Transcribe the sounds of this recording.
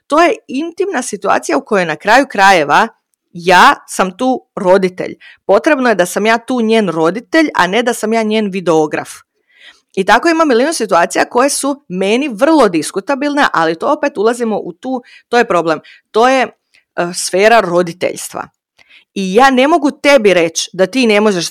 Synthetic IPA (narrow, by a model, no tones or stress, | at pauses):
t̪o̞ːjeint̪imnasit̪ua̰ːt̪sijauko̞jojnakɾaːjukɾaje̞ʋa | jaːsamt̪uːɾo̞d̪it̪ḛʎpo̞t̪ɾe̞bnoje̞d̪asamjaːt̪uːɲeːnɾo̞d̪it̪e̞ʎa̰ne̞d̪asamjaːɲeːnʋid̪eoɡɾa̰f | it̪ako̞imamːiliːnusit̪uaːt̪ijako̞jesumeniʋr̩lˠo̞d̪iskut̪abilˠneʔalit̪o̞ope̞t̪ulˠazimo̞ʔut̪uː | t̪oːje̞pɾo̞blˠem | t̪o̞ːje̞ | sfe̞ːɾaɾo̞d̪it̪ḛʎst̪ʋa̰ | ijaːne̞mo̞ɡut̪e̞biɾe̞t͡ɕd̪at̪iːne̞mo̞ʒeʃ